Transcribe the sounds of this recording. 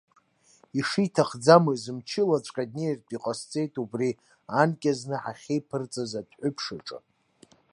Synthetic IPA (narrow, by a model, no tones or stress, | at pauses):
iʂitʰaχd͡zamɨzɨmt͡ʃʰɪlat͡ɕʷʼkʲʼadneertʼiqʼast͡sʼe̞jtʰʼubri | ankʲʼaznɨħaχʲejpʰɨrt͡sʼazadʰʼħʷʊpʰʂaʈ͡ʂʼɨ̰